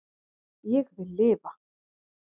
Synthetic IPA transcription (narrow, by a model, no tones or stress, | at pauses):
jɛɣvɪlːeːpa